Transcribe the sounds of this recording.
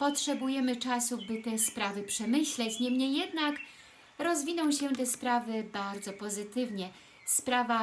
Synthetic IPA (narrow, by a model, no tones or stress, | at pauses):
pɔtʂɛbujɛmɘt͡ʂasubɘt̪ɛspɾavɘpʂɛmɘɕlɛt͡ɕɲɛmɲɛjɛd̪nak | ɾɔzvʲinɔ̃w̃ɕɛt̪ɛspɾavɘbaɾd̪zɔpɔzɘt̪ɘvɲɛ | spɾava